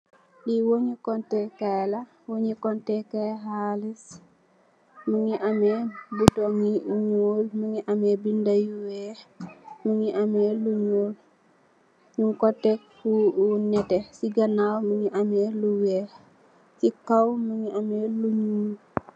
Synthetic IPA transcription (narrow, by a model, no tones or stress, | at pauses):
liwoɲikɔntɛkajla | woɲikɔntɛkajɦalis | məŋiʔamɛbutoŋiɲoːlməŋiʔamɛbindajuwɛ | məŋiʔamɛluɲoːl | ɲuŋkɔtːɛk̚fuunɛtɛsiɡanawməŋiʔamɛluwɛ | sikawməŋiʔameluɲuːl